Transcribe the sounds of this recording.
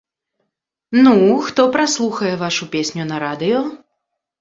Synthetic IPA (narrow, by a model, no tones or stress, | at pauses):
nuxt̪ɔpɾaslˠuxɐjɛvaʂupʲesʲnʲunɐɾad̪ɨjɔ